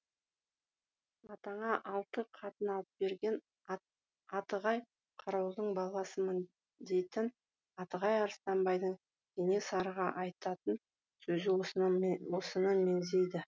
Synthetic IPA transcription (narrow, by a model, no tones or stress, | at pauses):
ɑt̪ɑɴɑʔɑlˠt̪əqʰɑt̪ənɑlˠəp̚be̞ɾɡʲe̞n | ɑt̪əʁɑj | qʰɑɾɑwd̪əɴbɑlˠɑsəmən | d̪e̞jt̪ɪn | ɑt̪əʁɑjɑɾst̪ɑmbɑjd̪əɴ | k̪ʲʰenesɑɾʁɑʔɑjt̪ɑt̪ən | sɵzɪ | wo̞sənəme̞nze̞jd̪ɪ